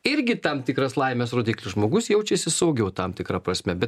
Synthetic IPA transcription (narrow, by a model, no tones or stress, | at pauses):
ɪɾʲɡʲɪt̪ɐmt̪ʲɪkɾɐslˠɐɪmʲɛsɾoːd̪ʲiːklʲʊʒmoːɡʊsjɛʊt͡ʃʲɛsʲɪsɐʊɡʲɛʊt̪ɐmt̪ʲɪkɾɑpɾɐsʲmʲɛbʲɛt̪